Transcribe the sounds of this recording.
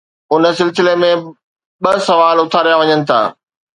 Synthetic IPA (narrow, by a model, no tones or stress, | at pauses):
ʊnə̆sɪlsɪlemẽ | ɓɐsɐʋaːlʊt̪ʰaːɾijaʋɐɲənɪ̆t̪ʰa̰ː